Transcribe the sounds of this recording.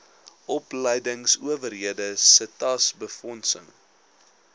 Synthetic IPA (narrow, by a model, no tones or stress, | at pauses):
ʔɔpləjdəŋsuəvərɦiədəsətɐsbəfɔnsə̰ŋ